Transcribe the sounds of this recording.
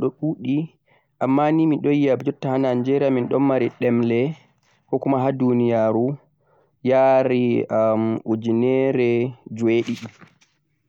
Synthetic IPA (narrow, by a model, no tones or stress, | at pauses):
ɗɔɗuːɗi | ʔamːaniminɗɔjiabɛd͡ʒɔtːahanand͡ʒɛɾaminɗɔmːaɾiɗɛmlɛ | kɔkumaɦadunijaɾu | jaɾiamud͡ʒinɛɾɛd͡ʒueɗiɗi